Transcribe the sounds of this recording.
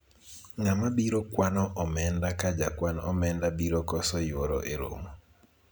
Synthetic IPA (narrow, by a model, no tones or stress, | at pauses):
ŋamabiɾokwanɔʔɔmɛndakad͡ʒakwanɔmɛndabiɾokɔsɔjoɾo̰ʔeɾo̰mo